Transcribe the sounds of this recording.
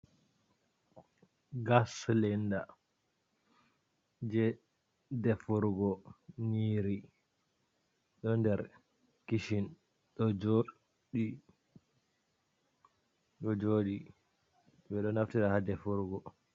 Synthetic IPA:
ɡaslɛnda | d͡ʒɛ | dɛfuɾɡɔniːɾi | ɗɔndɛɾ | kiʃin | ɗɔd͡ʒo | ɗi | ɗɔd͡ʒoːɗi | ɓɛɗɔnaftiɾahadɛfuɾɡɔ

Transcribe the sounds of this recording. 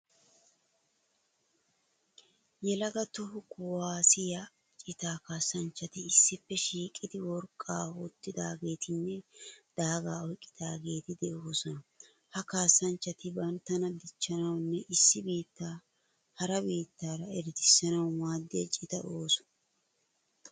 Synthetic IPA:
jɛlɐɡɐt̪ʊhʊkʊwaːsɪjɐ | t͡ʃʼɪt̪aːkaːsːɐnt͡ʃːɐt̪ɪɪsːɪpːɛʃiːkʼɪd̪ɪwɔɾkʼːaːhut̪ːɪd̪aːɡe̞ːt̪ɪnːɛd̪̥aːɡaːɔjkʼːɪ̥d̪̥aːɡe̞ːt̪ɪd̪ɛʔo̞ːsɔnɐ | hɐkaːsːɐnt͡ʃːɐt̪ɪbɐnt̪ːɐnɐd̪ɪt͡ʃːɐnɐwnːɛʔɪsːɪbiːt̪ːaː | hɐɾɐbiːt̪ːaːɾɐɛɾɪt̪ɪsːɐnɐwmaːd̪ːɪjɐt͡ʃʼɪt̪ɐʔo̞ːsɔ̥n

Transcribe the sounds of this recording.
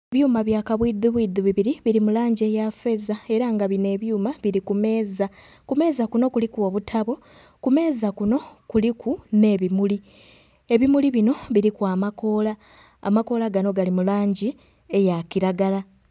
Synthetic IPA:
eβjuːmaβjaːkaβwid̪uβwiːd̪uβiβiɾiβiɾimulaːɲɟie̞jafe̞zae̞ɾaŋɡaβine̞ːβjuːmaβiɾikume̞ːza | kume̞ːzakuno̞kulikwoːβutʰaβo̞ | kume̞ːzakuno̞kulikʰune̞ːβimuli | e̞βimuliβino̞βiɾikwaːmako̞ːla̰ː | mako̞ːlaɡano̞ɡalimulaːɲɟi | e̞jakiɾaɡala

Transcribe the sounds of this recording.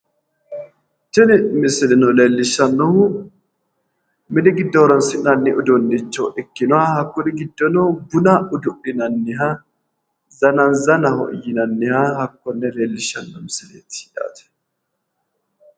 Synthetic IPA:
t͡ʃɪnɪmɪsɪlɪnɔleːlːɪʃɐnːɔhʊ | mɪnɪɡɪd̪ːɔɔɾɔnsɪnɐnːɪʔʊd̪ʊnːɪt͡ʃːɔʔɪkːɪnʊahɐkːʊnɪɡɪd̪ːɔnɔbʊnaʊd̪ʊʔɪnɐnːɪɦa | zɐnɐnzɐnɐhɔ̰ʔjɪnɐnːɪhahɐkːɔnːɛleːlːɪʃɐnːɔmɪsɪlḛːt̪ɪ̥hᶑa̰ːt̪ɛ̥

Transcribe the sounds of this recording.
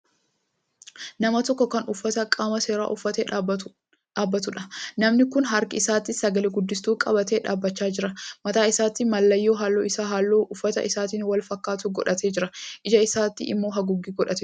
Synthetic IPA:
nɐmɐt̪ɔkːɔkɐnʊfːɐt̪ɐkʼaːmɐse̞ːɾa̰ːʔʊfːɐt̪eː | ᶑaːbːɐt̪ʊᶑɐnɐmnɪkʊnɦɐɾkɪɪsaːt̪ːɪsɐɡɐleɡʊd̪ːɪst̪uːkʼɐbɐt̪eːᶑa̰ːbːɐt͡ʃːaːd͡ʒɪɾɐmɐt̪aːɪsaːt̪ːɪmɐlːɐjːoːɦaːlːo̞ːʔɪsaːɦaːlːoːʔʊfːɐt̪ɐ̰ʔɪsaːt̪iːnwɐlfɐkːaːt̪ʊɡɔᶑɐt̪e̞ːd͡ʒɪɾɐʔɪd͡ʒɐɪsaːt̪ːɪʔɪ̰mːo̞ːɦɐɡʊɡːiːɡɔᶑɐt̪

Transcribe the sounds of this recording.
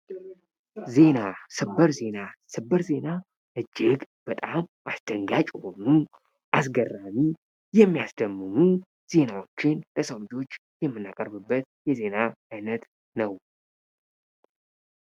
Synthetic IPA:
ze̞nasɨbəɾze̞nasɨbːəɾze̞na | ʔɨd͡ʒːɪɡb̥ət̪ʼamʔasd̪̥əŋɡat͡ʃʼhonu | ʔasɡərːami | jɛmːijasd̪əmːɨnu | z̥e̞nawo̞t͡ʃːɪnləsəwlɨd͡ʒo̞t͡ʃː | jɛmːɨnːakʼəɾbɨbːət̪̚jɛze̞naːjnət̪ | nəw

